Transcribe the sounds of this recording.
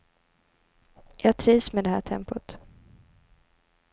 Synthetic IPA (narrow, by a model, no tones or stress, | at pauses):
jɑːɡ̚t̪ʰɾiːvsmeːd̪ɛhæ̰ːʈʰɛmpʊt̪